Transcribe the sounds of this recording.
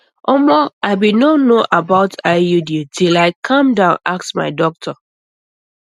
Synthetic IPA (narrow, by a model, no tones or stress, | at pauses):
ʔɔmɔaɪbinɔnoʔabaʊtʰaɪjuditʰilaɪkʰãmdãʊ̃naksma̰ɪdɔk̚tʰɔ